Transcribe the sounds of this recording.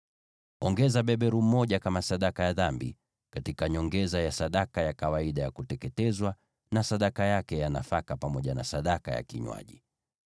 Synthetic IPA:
ɔŋɡɛzaɓɛɓɛɾum̩mɔʄakamasaɗakajaðambḭ | katikaɲɔŋɡɛzajasaɗakajakawaiɗajakutɛkɛtɛzwa | nasaɗakajakɛjanafakapamɔʄana̰saɗaka̰ja̰kiɲwa̰ʄḭ

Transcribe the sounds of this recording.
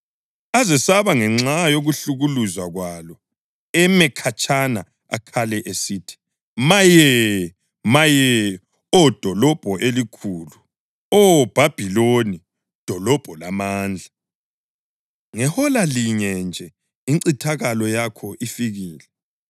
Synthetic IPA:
azɛsaβaŋɛŋ͡ǁajoɣuɬuɣuluzaɣwalɔ | ɛmɛkʰat͡ʃʼana̰ | a̰kʰalɛʔesitʰi̥ | majɛ | majɛ | ɔd̥ʱɔlɔb̥ʱɔʔelikʰuːlu | ɔb̥ʱab̥ʱiloni | d̥ʱɔlɔb̥ʱɔlamaːnd͡ɮʱa | ŋɛhɔlaliɲɛnd͡ʒʱɛ | iǀitʰaɣalɔjakʰɔʔifiɣiːlɛ

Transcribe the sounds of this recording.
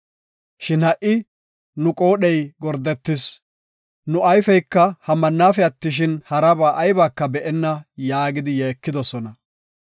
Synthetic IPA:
ʃɪnhɐʔɪ | nʊkʼo̞ːɗɛjɡɔɾd̪ɛt̪ːɪs | nʊʔɐjfɛjkːɐhɐmːɐnːaːfɛɐt̪ːɪʃ̬ɪnhɐɾɐbaːʔɐjbaːkːɐbɛʔɛnːɐjaːɡɪd̪ɪjɛːkːɪd̪ɔsɔnɐ

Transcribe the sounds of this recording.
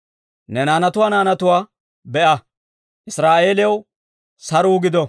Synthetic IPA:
nɛnaːnɐt̪ʊwaːnaːnɐt̪ʊwaː | bɛʔɐ | ʔɪsɾaːʔe̞ːlɪɐw | sɐɾuːɡɪd̪ɔ

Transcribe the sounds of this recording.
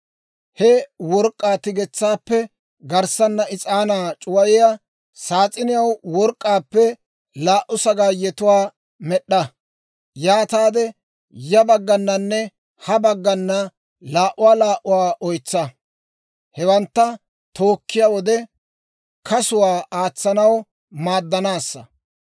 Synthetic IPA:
hɛwɔɾkʼːaːt̪ɪɡɛt͡sːaːpːɛ | ɡɐɾsɐnːɐɪt͡sʼaːnaːt͡ʃʼʊwɐjɪja | saːt͡sʼɪnɪjɐwwɔɾkʼːaːpːɛ | laːʔʊsɐɡaːjɛt̪ʊwaː | mɛɗːɐ | jaːt̪aːd̪ɛ | jɐbɐɡːɐnːɐnːɛ | hɐbɐɡːɐnːɐ | laːʔʊwaːlaːʔʊwaːʔɔjt͡sːɐ | hɛwɐnt̪ːɐ | t̪oːkːɪjawɔd̪ɛ | kʰɐsʊwaːʔaːt͡sːɐnɐw | maːd̪ːɐnaːsːɐ

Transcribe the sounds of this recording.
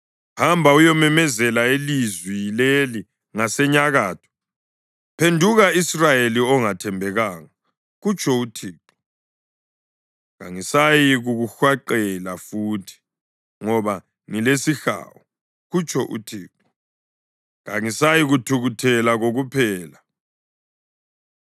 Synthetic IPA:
hambʱaujɔmɛmɛzɛlaelizwileli | ŋasɛɲaɣaːtʰɔ̥ | pʰendʱuɣaisrajeliɔŋatʰɛmbʱɛɣaːŋa | ɣut͡ʃʰʼɔutʰiːǃɔ̥ | ɣa̰ŋisajiɣuɣuxwaǃɛlafuːtʰi̥ | ŋɔβa | ŋilesixa̰ːwɔ | ɣut͡ʃʼʰɔʔṵtʰiːǃɔ̥ | ɣa̰ŋisajiɣutʰuɣutʰɛlaɣoɣupʰɛːla

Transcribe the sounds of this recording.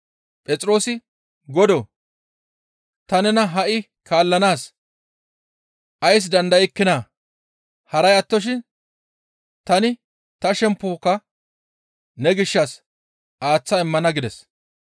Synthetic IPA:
pʼɛt͡sʼɾo̞ːsɪ | ɡɔd̪ɔ | t̪ɐnɛnɐɦɐʔɪ | kʰaːlːɐnaːs | ʔɐjs̬d̪ɐnd̪ɐjɪkːɪnaː | hɐɾɐjɐt̪ːɔʃ̬ɪn | t̪ɐnɪ | t̪ɐʃɛmpːoːkːɐ | nɛɡɪʃːɐs | ʔaːt͡sːɐɪmːɐnɐɡɪd̪ɛs

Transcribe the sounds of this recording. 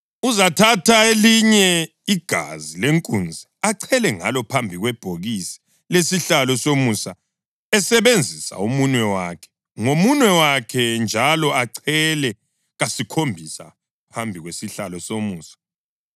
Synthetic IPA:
uzatʰatʰaeliɲɛ | iɡ̥ʱa̰zileŋkʼund͡zʱiaǀʰɛlɛŋa̰lɔpʰambʱiɣwɛb̥ʱoɣisi̥ | lesiɬalɔsomusa | ɛsɛβend͡zʱisa̰umunwɛwakʰɛ̥ | ŋomunwɛwakʰɛnd͡ʒʱalɔaǀʰɛlɛ | ɣasikʰombʱisa̰ | pʰambʱiɣwesiɬalɔsomuːsḁ

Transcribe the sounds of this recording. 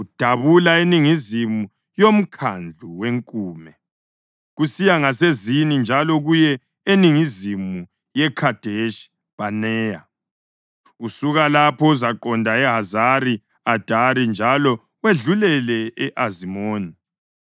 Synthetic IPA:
ud̥ʱaβulaeniŋizimu | jom̩kʰand͡ɮʱuweŋkʼuːmɛ | ɣusijaŋasezinind͡ʒʱalɔɣujɛ | eniŋizimu | jɛkʰad̥ʱeʃ | b̥anɛːja | usuɣalapʰɔuzaǃɔndʱaɛɦazaɾi | ad̥ʱaɾind͡ʒʱalɔ | weɮulɛlɛɛʔazimoːni

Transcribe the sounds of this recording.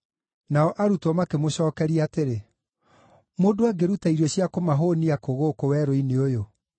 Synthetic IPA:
naɔʔaɾutɔmakemoɕɔːkɛɾiateɾe | moːdoaɡeɾutaiɾɔɕiakomaɦoniakoɣokowɛɾoineojo

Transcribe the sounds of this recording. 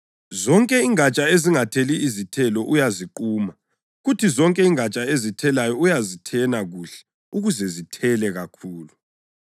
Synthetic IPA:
zɔŋkʼɛiŋat͡ʃʼaeziŋatʰeliːzitʰɛlɔʔujaziǃuːma | ɣutʰizɔŋkʼɛiŋat͡ʃʼaezitʰɛlajɔujazitʰɛnaɣuːɬɛ̥ | uɣuzɛzitʰɛlɛɣakʰuːlu

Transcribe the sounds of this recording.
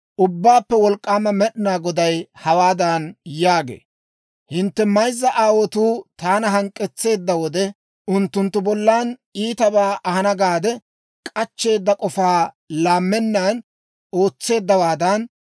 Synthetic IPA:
ʔʊbːaːpːɛwɔlkʼːaːmɐmɛɗɪnaːɡɔd̪ɐjhɐwaːd̪ɐnjaːɡḛː | hɪnt̪ːɛmɐjzːɐʔaːwɔt̪uːt̪aːnɐɦɐŋkʼːɛt͡sːe̞ːd̪ːɐwɔd̪ɛ | ʊnt̪ːʊnt̪ːʊbɔlːaːniːt̪ɐbaːʔɐhɐnɐɡaːd̪ɛ | kʼɐt͡ʃːe̞ːd̪ːɐkʼɔfaː | laːmːɛnːaːn | o̞ːt͡sːe̞ːd̪ːɐwaːd̪ɐn

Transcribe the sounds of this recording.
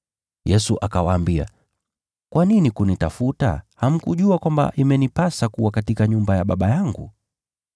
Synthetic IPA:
jɛsuʔakawaːmbia̰ | kwaninikunitafuta̰ham̩kuʄuakwamba̰ʔimɛnipasakuwakatikaɲumbajaɓaɓajaŋɡṵ

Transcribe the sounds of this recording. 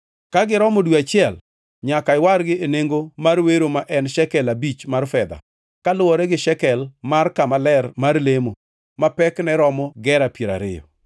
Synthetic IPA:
kaɡɪɾɔmodwiat͡ʃɪɛl | ɲakaɪwaɾɡɪeneŋɡomarweɾomaʔɛnʃɛkɛlabit͡ʃmarfɛd̪a̰ | kalʊwɔɾɛɡɪʃɛkɛlmarkamalɛrmarlemo | mapɛknɛɾɔmɔɡɛɾapieɾa̰ɾɪ̰jɔ̰

